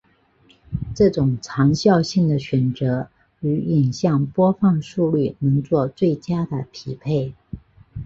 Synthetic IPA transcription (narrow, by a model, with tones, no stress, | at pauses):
ʈ͡ʂɤ˥˩ʈ͡ʂʊ˨˩ŋʈ͡ʂʰɑ˧˥ŋɕjɑ˥˧ʊɕi˥˩ŋd̪ə˩ɕɥɛ˨˩nt͡sɤ˧˥ | y˧˥i˨˩ŋɕjɑ˥˩ŋpwɔ˥fɑ˥˧ŋʂu˥˧ly˥˩nɤ˧˥ŋt͡swɔ˥˧t͡swe˥˩ɪt͡ɕja˥d̪ə˨pʰi˧˥pʰe˥˩ɪ